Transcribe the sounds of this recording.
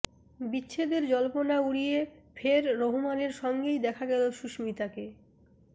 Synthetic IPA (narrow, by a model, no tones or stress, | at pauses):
bitːɕʰed̪eɾd͡ʑɔlponauɽijefʰeɾːoɦumaneɾʃɔŋɡejd̪ɛkʰaɡɛloʃuʃmit̪ake